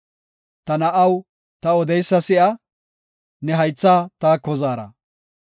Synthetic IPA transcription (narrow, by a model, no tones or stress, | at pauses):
t̪ɐnɐʔɐw | t̪ɐɔd̪ɛjsːɐsɪʔɐ | nɛɦɐjt͡sːaːt̪aːkːɔzaːɾɐ̰